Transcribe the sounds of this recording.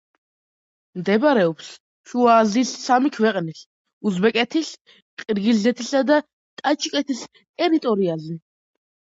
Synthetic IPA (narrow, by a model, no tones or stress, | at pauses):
md̪ɛbɾɛɔps | ʃuaːzisːamikʰvɛqʼnis | uzbɛkʼɛt̪ʰis | qʼiɾɡilzɛt̪ʰisad̪a | t̪ʼat͡ʃʼkʼɛt̪ʰis | t̪ʼɛɾit̪ʼɔɾiazɛ